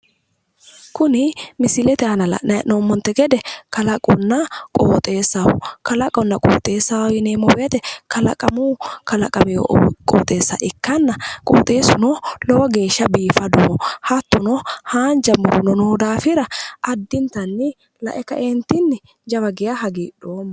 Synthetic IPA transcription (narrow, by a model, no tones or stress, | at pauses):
kʊnɪmɪsɪlɛt̪ɛhɐnɐlɐ̰ʔnɐʔnoːmːɔnt̪ːɛɡɛd̪ɛkɐlɐkʼɔnːɐkʼo̰ːt̪ʼe̞ːsːɐwʊ̰kɐlɐkʼɔnːɐkʼo̰ːt̪ʼe̞ːsːawjɪneːmɔwet̪ɛkʰɐlɐ̰kʼɐmuːkɐlɐkʼɐmɪjo̰ʔkʼo̰ːt̪ʼe̞ːsːa̰ʔɪkːɐnːɐkʼo̰ːt̪ʼe̞ːsʊnɔlɔwɔɡe̞ːʃːɐbiːfɐd̪ɔɔhɐt̪ːʊnɔhaːnd͡ʒɐmːʊɾʊnɔnoːd̪aːfɪɾɐʔɐd̪ːɪnt̪ɐnːɪ | lɐ̰ʔɛkɐ̰ʔɛnt̪ɪnːɪ | d͡ʒɐβɐɡɪjaɦɐɡiːᶑoːmː